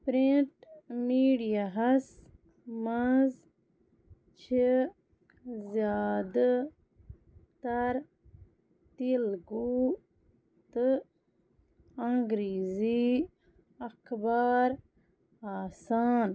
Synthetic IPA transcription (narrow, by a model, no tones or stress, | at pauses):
pɾiɳʈmiːɖijaɦɐs | mɐnz | t͡ʃʰi | zjaːd̪a | t̪ɐɾ | t̪ilɡu | t̪ɨ | ɐ̃ŋɡɾiːzi | ɐkʰbaːɾ | aːsaːn